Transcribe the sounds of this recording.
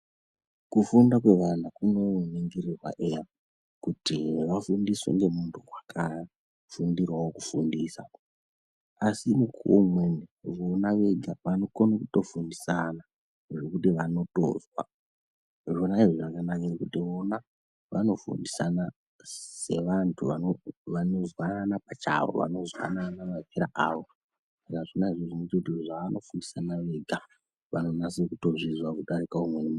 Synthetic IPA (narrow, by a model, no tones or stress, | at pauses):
kufundakwe̞ʋanakuno̞niŋɡirirwa̰ʔeja | kutiʋafundiswḛŋɡe̞muntʰuwakʰa | fundirwawokufundiːsa | asimukuomweneʋonaʋeɡʱaʋano̞konokuto̞fundisana | ʐekutiʋano̞to̰zwa̰ | ʐonaiʐiʐakanakarikutiʋo̞na | ʋa̰no̞fṵndisana | se̞̰ʋantʰuʋanoʋano̞zwananapat͡ʃa̰ʋo̰ʋa̰no̞zwa̰nanamapeɾaaʋo̞ | sakaʐonaiʐoʐimet͡ʃetʐaʋano̞fundisanaʋe̞ɡʱa | ʋano̞nasikuto̞ʐizwakuɗaɾikaumwenem